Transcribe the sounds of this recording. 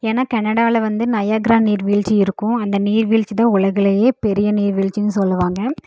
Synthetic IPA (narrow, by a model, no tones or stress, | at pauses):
eːnaːkɐnɐɽaːlɐʋɐnd̪ɯnɐjaːɡɾaːniːɾʋiːɭt͡ʃiɪɾɯkːʊ̃ɐnd̪ɐniːɾʋiːɭt͡ʃːɯt̪ãːʊɭɐɣɪɭɐjeːpɛɾɪjɐniːɾʋiːɻt͡ʃːɪnːɯsɔlːɯʋaːŋɡɐ